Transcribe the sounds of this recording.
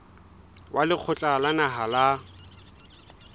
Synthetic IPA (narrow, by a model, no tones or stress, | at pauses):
wʔalɪq͡χʰʊt͡ɬʼalanaɦala